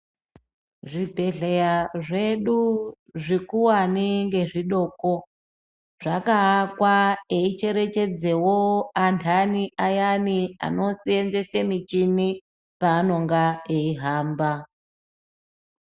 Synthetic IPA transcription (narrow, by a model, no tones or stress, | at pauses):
ʐibʱe̞ɮejaʐe̞ɗu | ʐikuwaniŋɡe̞ʐiɗo̞ːko | ʐ̥akaːkwaeit͡ʃe̞ɾe̞t͡ʃe̞d͡ze̞woantʰaniʔajania̰no̞sienze̞semit͡ʃini | paːno̞ŋɡaeiɦaːmba